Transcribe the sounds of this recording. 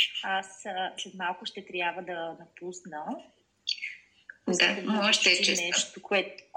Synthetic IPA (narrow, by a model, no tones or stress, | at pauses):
asəslɛt̪malˠkʊʃt̪ɛt̪ɾʲjabvəd̪ɐnɐpusnə | d̪aɛmɔʃt̪ɛɛnɛʃt̪okɛt̪